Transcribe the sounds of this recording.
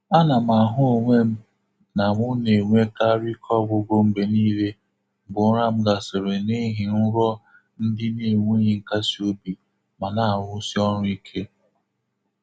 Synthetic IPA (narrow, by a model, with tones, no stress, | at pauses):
a˦na˨m˨a˨ɦʊ˦o˨ŋʷe˦m̩˦ | na˨ŋʊ˦ne˨ŋʷe˦ka˦ɾi˦kʰɔ˦˨ɡo˦bo˦m̩˦be˨ni˦le˦ | bʊ˨n̩˦ɾa˦m̩˦ɡa˨so˨ɾe˨ni˦ɦi˨n̩˦ɾɔ˦ | n̩˦dɪ˦ni˦˨ŋʷe˦ɦi˨ŋ̩˦ka˦si˨o˦bi˨ | ma˨na˨˦˨ɾʊ˦si˦ɔ˦ɾʊ˦i˦kʰe˦